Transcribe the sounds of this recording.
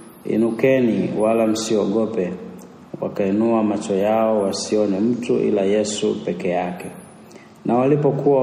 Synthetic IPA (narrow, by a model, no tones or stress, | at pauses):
ḭnukɛniwalam̩siɔɡɔpɛ | wa̰kainuamat͡ʃɔjaɔwasiɔnɛm̩tuʔḭlajɛsupɛkɛjakɛ | nʔawalipɔkua